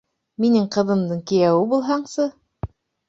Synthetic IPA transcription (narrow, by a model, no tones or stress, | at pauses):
minɘŋqɤ̆ðɤ̆md̪ɤɴkĭjæwɘbulˠɦɑɴsɤ